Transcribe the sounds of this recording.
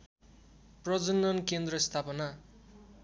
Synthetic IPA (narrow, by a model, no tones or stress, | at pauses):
prʌd͡zʌnːʌnkend̪rʌst̪ʰapʌna